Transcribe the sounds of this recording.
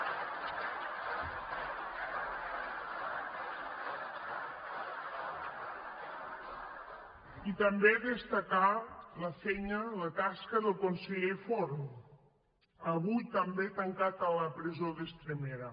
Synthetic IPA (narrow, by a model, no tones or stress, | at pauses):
it̪əmbeðəst̪akaləfeɲələt̪askəðəkonseʎefoɾm | əβujt̪əmbet̪əŋkat̪aləpɾezoðest̪ɾemeɾə